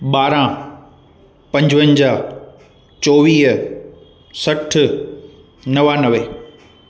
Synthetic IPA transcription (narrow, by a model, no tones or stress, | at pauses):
ɓaːɾã | pɐ̃ɲd͡ʑʋə̃nd͡ʑaː | t͡ɕoːʋiːɦ | sɐʈʰɪ | nɐʋanɐʋeː